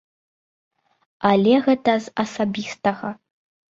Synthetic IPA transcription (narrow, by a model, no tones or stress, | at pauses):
alʲɛɣɛtɐzɐsabʲist̪ɐɣɐ